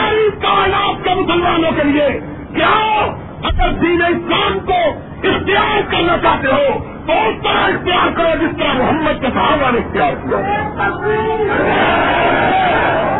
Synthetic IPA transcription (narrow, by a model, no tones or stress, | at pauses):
aɾikanaːp̚kemʊsəlmaːnõkelie | kja | əɡəɾd̪iːneɪslaːmko | ɪxt̪ijaːɾkəɾnat͡ʃaːɦt̪eɦo | t̪oest̪əɾaɪxt̪ijaːɾkəɾod͡ʒɪst̪əɾamʊɦəmːəd̪̚kesʰaːbaɾɪxt̪ijaːɾkəɾo